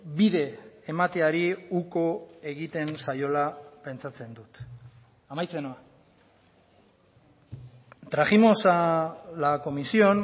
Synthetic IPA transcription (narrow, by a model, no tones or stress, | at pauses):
biðe̞ːmat̪e̞aɾiuko̞e̞ɣit̪e̞nsajo̞lape̞nt͡sat͡se̞nd̪ut̪ | amajt͡se̞noa | t̪ɾaɣimo̞salako̞misio̞n